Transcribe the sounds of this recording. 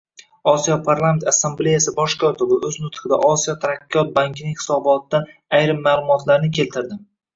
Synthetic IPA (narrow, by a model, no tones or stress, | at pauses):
ɒsijɒpʰaɾlˠame̞nt̪asːemble̞jasɪbɒʃkʰɒt̪ʰɪbɪʔɵznʊt̪χɪd̪a̰ʔɒsijɒt̪ʰaɾakʲʰːjɒt̪̚baŋkʲʰɪnɪŋʲhɪ̥sɒbɒt̪ːaajɾɪmːaːlˠʊmɒt̪ʰlaɾnɪkʲʰe̞lt̪ʰɪɾd̪ɪ